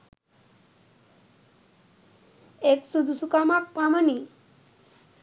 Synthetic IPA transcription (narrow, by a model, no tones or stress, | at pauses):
eksud̪ʱusukamak̚pamani